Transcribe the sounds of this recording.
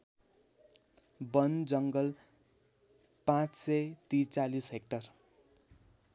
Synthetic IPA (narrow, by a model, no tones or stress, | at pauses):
bʌnd͡zʌŋɡʌl | pãt͡ssʌjt̪it͡salisɦek̚ʈʌr